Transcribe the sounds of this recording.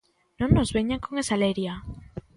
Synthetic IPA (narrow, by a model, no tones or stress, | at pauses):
nõnnozβeɲaŋkoŋesaleɾja